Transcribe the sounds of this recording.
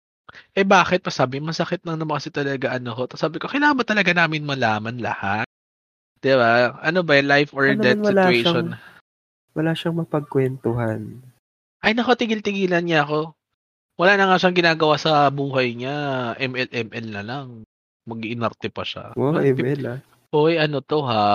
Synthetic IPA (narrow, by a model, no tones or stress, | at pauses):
ʔɛbaːxɪt̪̚pɐsaːbɪmɐsɐkɪt̪̚nɐŋnɐmɐkɐsɪt̪ɐlɐɡaʔɐnokot̪ɐsaːbɪkokɐjlaːŋɐnbɐt̪ɐlɐɡanaːmɪnmɐlaːmɐnlɐ̰hat̪̚ | d̪̥ɪbaʔɐnobɐɛlajfɔɹnd̪ɛnwsɐɪlaejʃon | wɐlaːʃɐŋmɐpɐɡ̚kwɛnt̪oɦan | ʔɐjnɐkɐt̪ɪɡɪlt̪ɪɡiːlɐnɲaɐko̞ | wɐlaːnɐŋaʃɐŋɡɪnaːɡɐwaːsɐbuːɦɐjɲaʔɛmʔɛlʔɛmʔɛlnɐlaŋ | mɐɡʔɪnɐɾt̪ɛpɐʃa̰oʔɛmɛla | ʔoʔjʔɐnot̪o̞ɦa